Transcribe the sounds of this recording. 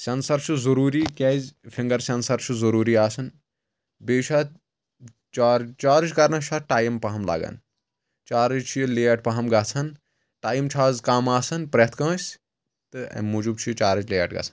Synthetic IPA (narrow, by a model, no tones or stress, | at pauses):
sʲɐnsɐɾt͡ʃʰuzɐɾuːɾiːkʲeːzʲfʰiŋɡɐɾsʲɐnsɐɾt͡ʃʰuzɐɾuːɾiaːsɐn | beːt͡ʃʰaː | t͡ʃaːɾt͡ʃaːɾɨt͡ʃkɐɾnɐʃʰaːʈaːjimpɐɦɐmla̰ːɡɐ̰n | t͡ʃaːɾɨd͡ʒt͡ʃʰijileːɐʈ̚pɐɦɐmɡɐt͡sʰɐn | ʈaːjimt͡ʃʰaːzkaːmaːsɐnpɾet̪ʰkɐ̃ːsʲ | t̪ɨɐ̰muːd͡ʒub̚t͡ʃʰit͡ʃaːɾɐt͡ʃleːɐ̰ʈɡɐ̰t͡sʰɐ̥n